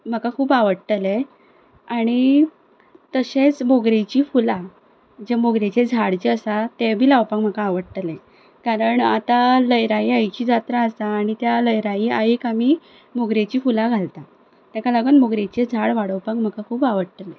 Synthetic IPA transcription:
m̤əkakʰuːbaʋəɽʈ̪əle | aɽ̃i | t̪əɕet͡smoɡɾet͡ɕiːfula | d͡ʑemoɡɾet͡ɕed͡zʱaɽd͡ʑeəsat̪ebʱiːlawpaŋm̤əkaːʋəɽʈ̪əlẽ | kaɾəɳat̪aləjɾaiajt͡ɕiːd͡zat̪ɾaəst̪aːɽ̃it̪jaləjɾaiːaikami | moɡɾet͡ɕiːfulaɡʱalt̪a | t̪jãkalaɡəːnmoɡɾet͡ɕed͡zʱaɽʋaɽəwpaŋm̤əkakʰuːbaʋəɽʈ̪əle

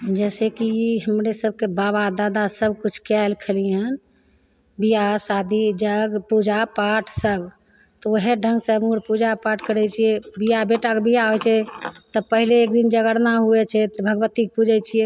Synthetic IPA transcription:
d͡ʒɛsekiiɦəmɾesəb̚ʱkebaβad̪ad̪asəb̚kut͡ʃʰkajlkʰeliən | bijasad̪ʱid͡ʒəɡpud͡ʒapaʈʰsəb | t̪ɔoɦeɖʱə̃ŋɡsəmuɽpud͡ʒapaʈʰkəɾɛt͡ʃʰijɛbijabeʈakebʱijaɦojt͡ʃʰɛt̪ɔpəɦileːk̚d̪ind͡ʒəɡəɽnaɦuɛt͡ʃʰɛt̪bʱəɡʋət̪ik̚pud͡ʒɛt͡ʃʰijɛ

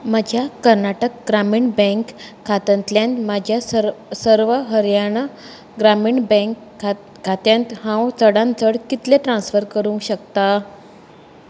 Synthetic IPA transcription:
məd͡ʑʱjakəɾnaʈək̚ɡɾamiːɳbə̃ŋkʰː | at̪ənt̪ljãnt̪mad͡ʑʱjasəɾʋəɦəɾjaɽ̃ə | ɡɾamiːɳbə̃k | kat̪jãnt̪hãwt͡səɽãnt͡s̪əɽkit̪leʈɾãnsfəɾkəɾũŋkɕək̚t̪a

